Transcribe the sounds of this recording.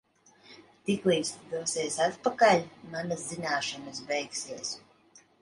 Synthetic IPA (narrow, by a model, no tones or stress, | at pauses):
t̪ikliːsd̪usiɛsat̪pakalʲmanaszinaːʃanas̬bɛjksiɛs